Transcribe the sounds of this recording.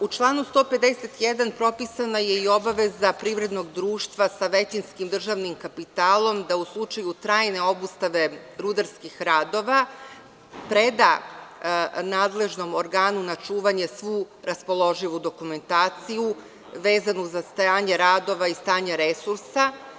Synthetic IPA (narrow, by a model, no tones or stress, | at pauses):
ut͡ʃlˠaːnust̪o̞ːpe̞d̪eset̪jed̪anpɾo̞pisanaje̞io̞baʋe̞zapɾiʋɾe̞d̪no̞ɡd̪ɾuːʃt̪ʋasaʋe̞t͡ɕinskimd̪r̩ʒaʋnimkapit̪aːlˠo̞md̪auslˠut͡ʂajut̪ɾaːjne̞o̞bust̪aʋe̞ɾud̪aɾskixɾaːd̪o̞ʋa | pɾe̞d̪a | naːd̪le̞ʒno̞mo̞ɾɡaːnunat͡ʃuːʋaɲe̞sʋuː | ɾaspo̞lˠo̞ʒiʋud̪o̞kume̞nt̪aːt̪siju | ʋe̞ːzanuzast̪ajaːɲeɾaːd̪o̞ʋaist̪aːɲaɾesuɾsa